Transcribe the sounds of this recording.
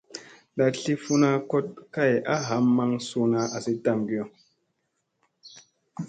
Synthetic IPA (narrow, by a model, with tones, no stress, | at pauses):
la˨ɬi˦fu˦na˦ko˦t̚ka˦˨ja˦ɦa˨˦mmːa˦ŋsu˦na˧a˨si˦ta˦˨mɡi˦jo˨